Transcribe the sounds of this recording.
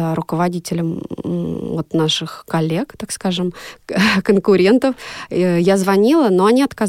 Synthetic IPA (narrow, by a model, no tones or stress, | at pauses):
ɾʊkəvɐdʲitʲɪlʲəm | vot̪naʂɨxkɐlʲːe̞kt̪akskaʐɨm | kənkʊɾʲe̞nt̪əfjazvɐnʲilˠənoɐnʲiɐt̪kaz